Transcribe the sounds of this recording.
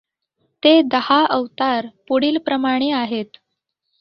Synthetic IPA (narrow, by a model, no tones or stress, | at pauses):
t̪ed̪əhaʔəʋt̪aɾpoɽiːlpɾəmaɽ̃eaɦet̪